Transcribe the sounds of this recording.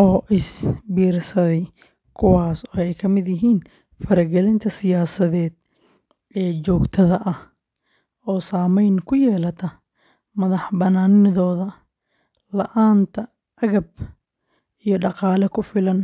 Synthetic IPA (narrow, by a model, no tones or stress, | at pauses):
ʔɔːʔɪsbiːrsɐðɛ | kʰʊwɑːsɔːɛjkʰɐmɪd̪jɪɦiːn | fɐɾɐɡɛlɪnt̪ʰɐsɪjaːsɐðɛːd̪̚ | ɛːt͡ʃɔːɡt̪ʰɐðɐʔɐh | ɔːsaːmɛjnkʰʊjɛːlɐt̪ʰɐ | mɐðɑħbɐnaːnɪðɔːðɐ | lɐʔaːnt̪ʰɐ | ɐɣɐb̚ | ijɞɖɑqɑːlɛkʰʊfɪlɐn